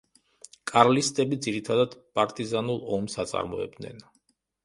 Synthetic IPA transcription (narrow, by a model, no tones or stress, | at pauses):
kʼaɾlist̪ʼɛbid̪ziɾit̪ʰad̪ad̪pʼaɾt̪ʼizanulˠɔmsat̪sʼa̰ɾmɔ̰ɛ̰b̚d̪nɛ̰n